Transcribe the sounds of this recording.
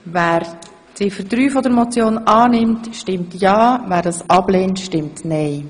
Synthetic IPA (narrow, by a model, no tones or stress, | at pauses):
væːɾ | tɪfəɾdɾyːfɔdəɾmɔt͡sjoːnɑːnɪmtʃtɪmtjɑːvæːɾdɑːsʔɑbleːntʃtɪmtnɛɪ